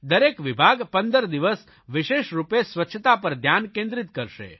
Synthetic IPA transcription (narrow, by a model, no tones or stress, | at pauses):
d̪əɾekʋɪbʱaɡpə̃nd̪əɾd̪iʋəs | ʋɪʃeʃɾupesʋətːʃʰət̪apəɾd̪ʱjankẽnd̪ɾɪt̪kəɾʃḛ